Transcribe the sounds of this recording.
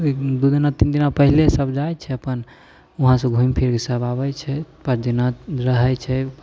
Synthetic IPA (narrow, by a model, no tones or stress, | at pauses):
d̪ud̪inat̪ind̪inapəɦilesəbd͡ʒajt͡ʃʰɛəpən | uɦãsə̃ɡʱũimpʰiɾkesəbabɛt͡ʃʰɛpət͡ʃʰd̪inaɾəɦɛt͡ʃʰɛ